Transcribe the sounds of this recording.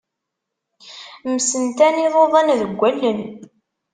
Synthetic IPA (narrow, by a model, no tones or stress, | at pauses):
məsənt̪æniðˤoðˤɑnðəɡʷːælːən